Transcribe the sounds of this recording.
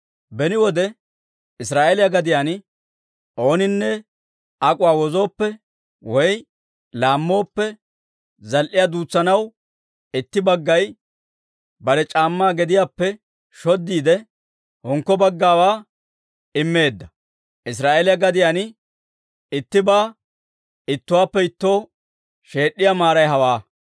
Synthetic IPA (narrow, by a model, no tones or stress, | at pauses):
bɛnɪwɔd̪ɛ | ɪsɾaːʔelɪjaɡɐd̪ɪjaːn | o̞ːnɪnːɛ | ɐkʼʊwaːwɔzo̞ːpːɛ | wɔj | laːmːo̞ːpːɛ | zɐlʔɪjad̪uːt͡sːɐnɐw | ɪt̪ːɪbɐɡːɐj | bɐɾɛt͡ʃʼaːmːaːɡɛd̪ɪjaːpːɛ | ʃɔd̪ːiːd̪ɛ | hɔŋkːɔbɐɡːaːwaː | ɪmːe̞ːd̪ːɐ | ʔɪs̬ɾaːʔeːlɪjɐɡɐd̪ɪjanɪ | ɪt̪ːɪbaː | ɪt̪ːʊwaːpːɛɪt̪ːo̞ː | ʃe̞ːɗːɪjamaːɾɐjɦɐwaː